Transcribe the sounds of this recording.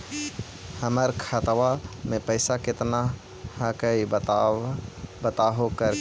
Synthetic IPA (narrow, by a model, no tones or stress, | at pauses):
həməɾkʰət̪wamẽpəɪsakɪt̪na | hakəi | bət̪aːɦokəɾ